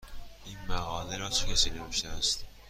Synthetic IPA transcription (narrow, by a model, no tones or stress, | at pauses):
ʔiːnmæɣɒːleɾɒːt͡ʃʰekʰʲæsiːneveʃt̪ææst̪